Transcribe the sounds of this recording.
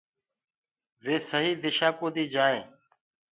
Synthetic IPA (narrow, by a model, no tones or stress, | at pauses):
ʋeːsəɦiːd̪ɪʃaːkoːd̪iːd͡ʒaːẽː